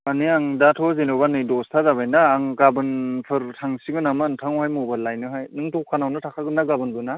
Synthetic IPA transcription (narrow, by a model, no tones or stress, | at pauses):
aniaŋdatʰɔzenɯbanɯjdɔstʰazabajnaːŋɡabɯnpʰɯɾtʰaŋsiɡɯnamɯːntʰaŋhajmubalajnɯɦajnɯŋtɔkʰanawnɯtʰakʰaɡɯnːaɡabɯnbɯna